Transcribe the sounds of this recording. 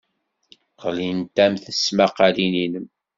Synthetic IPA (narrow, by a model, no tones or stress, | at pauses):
qəlint̪æmθəsmaqalininəm